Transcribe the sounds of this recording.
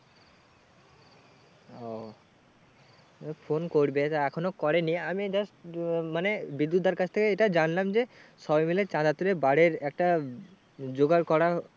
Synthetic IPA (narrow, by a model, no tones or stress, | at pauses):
o | fʰonkoɾbet̪aɛkʰonokɔɾeniamid͡ʑɔsmanebid̪ːud̪ːaɾkat͡ɕʰt̪ʰekeeʈad͡ʑanlamd͡ʑeʃɔbamilet͡ɕãd̪at̪uɾebaɽeɾɛk̚ʈa | d͡ʑoɡaɾkɔɾa